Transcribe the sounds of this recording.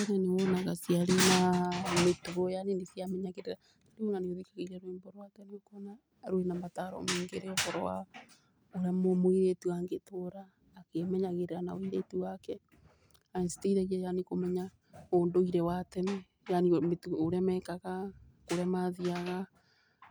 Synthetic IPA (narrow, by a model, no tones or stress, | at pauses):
onanewɔnaɣasiaɾenametoɣojanenesiamɛɲaɣeɾeɾa | tadionaneoðikaɣeiɾɛɾwemboɾwakɛniokoɔna | ɾoenamataɾɔ̰meːŋɡeɾeɔkɔɾɔ̰wa̰ | oɾejamomoiɾetuaŋɡetʰoɾaː | kemɛɲaɣeɾeɾanaoiɾetuwakɛ | ainsi̥teiɾɛɣiajanikomɛɲa | oːndoiɾɛwatɛnɛ | janimetoɾeamɛkaɣa | koɾamaðiaɣa